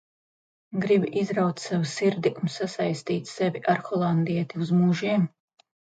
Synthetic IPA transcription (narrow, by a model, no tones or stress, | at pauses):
ɡɾibiʔizɾawt̪savasiɾd̪iʔunsasajst̪iːt̪ʲsɛvʲiʔaɾxɔlˠand̪iɛt̪iuzmuʒiɛm